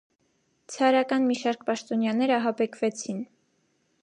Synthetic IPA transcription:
t͡sʰɑɾɑkɑnmiʃɑɾkʰpɑʃt̪ɔnjɑnɛɾɑɦɑbɛkʰvɛt͡sʰin

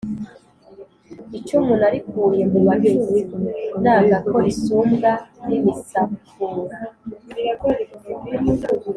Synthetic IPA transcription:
it͡ʃumunaɾikuːjemuaɡezenaːɡako̞ʔisuːmɡaniβisafuɾa

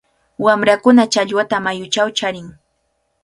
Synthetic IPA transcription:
wamɾakʊnat͡ʃaʎwat̪amajʊt͡ʃawt͡ʃaɾɪŋ

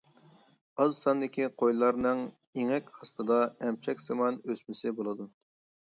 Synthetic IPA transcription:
ɑzsɑnd̪ɪkʲiqʰojlˠɑɾnɨŋ | eŋɛkʲɑst̪ɨd̪ɑɛmt͡ʃʰɛkʲz̥ɑmɑnøsmɪsɪbolˠɨd̪u

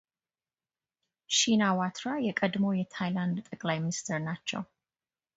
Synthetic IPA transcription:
ʃinawat̪ʰɾajɛkʼəd̪mo̞jɛt̪ʰajland̪t̪ʼəkʼlajminist̪ʰɛɾnat͡ʃːɛ̰w

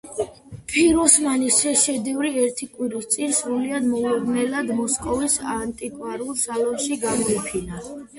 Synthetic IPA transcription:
pʰiɾɔsmanisɛʃɛd̪ivɾiɛɾt̪ʰikʼwiɾist̪sʼinsɾuliad̪mɔluɾnɛlad̪mɔskʼɔvisant̪ʼikʼwaɾulˠd̪zalɛbʃiɡamɔipʰina

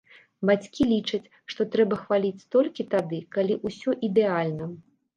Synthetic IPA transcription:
bat͡sʲkʲilʲit͡ʂɐt͡sʲ | ʂt̪ɔt̪ɾɛbɐxvalʲit͡sʲst̪ɔlʲkʲit̪abʲɛkalʲiʔusʲɔʔid̪ɛalʲnɐ

